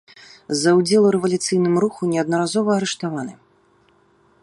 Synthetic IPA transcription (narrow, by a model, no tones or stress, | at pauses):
zɐwd͡zʲɛlˠuɾɛvɐlʲut̪sɨjnɨmɾuxunʲɛɐd̪nɐɾazɔvɐːɾɛʂt̪avanɨ